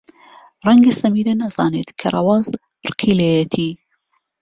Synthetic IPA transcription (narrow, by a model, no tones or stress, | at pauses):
rɐŋɡɐsɐmiːd̪ɐnɐzɑːneːt̪kʰɐrˤɐ̰wɑːz | rɨqʰilejɐt̪ʰiː